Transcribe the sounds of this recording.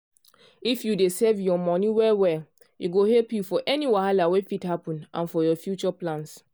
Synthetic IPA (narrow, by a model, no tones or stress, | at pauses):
ifjudesevjɔmɔniwɛlwɛl | iɡohɛlpjufɔʔɛniwaalawefithapɔ̃nʔã̰nfɔjɔfjut͡ʃɔplãns